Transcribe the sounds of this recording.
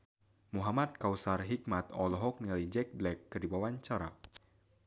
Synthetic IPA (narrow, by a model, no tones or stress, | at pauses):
muɦamat̪̚kawsarɦik̚mat̪ɔlɔɦɔk̚niŋalid͡ʒɛk̚blɛkːɨdibawant͡ʃaɾa